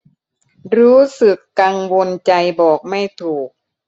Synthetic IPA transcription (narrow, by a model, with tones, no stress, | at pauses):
ɾuː˦˥sɯ˨˩kːa˧ŋwo˧nt͡ɕa˧jbɔː˨˩k̚ma˥˩jt̪ʰuː˨˩k̚